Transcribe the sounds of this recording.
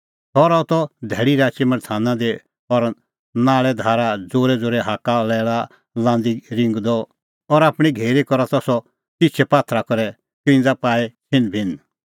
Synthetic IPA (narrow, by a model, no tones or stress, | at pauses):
t̪ʰɔɾat̪ɔd̪ʱɛːɽiɾaːt͡ʃemɐɽt̪ʰaːnãd̪e | ɔɾ | naːɭɛd̪ʱaːɾad͡zoːɾɛd͡zoːɾɛɦaːkalɛːɭa | lãːnd̪iɾɪ̃ŋɡd̪ɔ | ɔɾaːpɽ̃iɡʱeːɾikɔɾat̪ɔsɔ | tɪt͡ʃʰɛpaːt̪ʰɾakɔɾɛ | kɪ̃ːnd͡zapaːɛt͡ʃʰɪnbʱɪn